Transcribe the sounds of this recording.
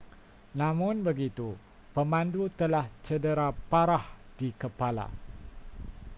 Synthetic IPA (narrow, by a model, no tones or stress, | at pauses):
nãmʊ̃nbəɡit̪u | pəmãndut̪əlaht͡ʃədəɾapaɾahd̥ikəpala̰